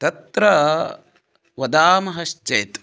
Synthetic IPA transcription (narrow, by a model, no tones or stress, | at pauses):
t̪ɐt̪ɾɐ | ʋɐd̪aːmɐɦɐʃt͡ʃeːt̪